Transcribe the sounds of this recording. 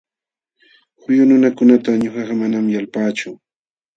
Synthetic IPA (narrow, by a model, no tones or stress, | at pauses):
hʊjʊnʊnakʊnat̪aɲoχɑɢɑmanamjalpaːt͡ʃʊ